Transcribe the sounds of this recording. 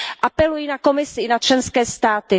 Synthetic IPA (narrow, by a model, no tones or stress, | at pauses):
ʔapɛlujiːnako̞mɪsɪɪnat͡ʃlɛnskɛːst̪aːt̪ɪ